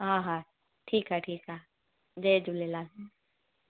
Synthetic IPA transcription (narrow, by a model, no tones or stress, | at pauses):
ɦãːɦa | ʈʰiːkɦaʈʰiːkɦa | d͡ʒed͡ʒulelaːl